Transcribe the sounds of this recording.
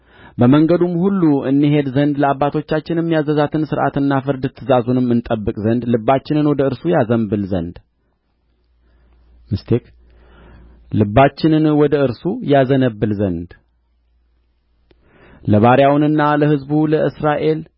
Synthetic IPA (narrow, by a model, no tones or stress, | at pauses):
bəməŋɡəd̪umhulːuɨnːiɦe̞d̪zənd̪ləabːat̪ʰo̞t͡ʃːat͡ʃːɪnjɛmːijazəzat̪ʰɨnsɨɾʔa̰t̪ɨnːafɨɾd̪ɨt̪ʰːɨzazunɨmːɨnt̪ʼəbːɨkʼzənd̪lɨbːat͡ʃːɪnɨnwɔd̪əɨɾsujazəmbɨlzə̰nd̪ | mɨst̪ʰe̞k | lɨbːat͡ʃːɪnɨnwɔd̪əɨɾsujazənəbːɨlzənd̪ | ləβaɾjawnɨnːaləhɨzbuləʔɨsɾaʔe̞l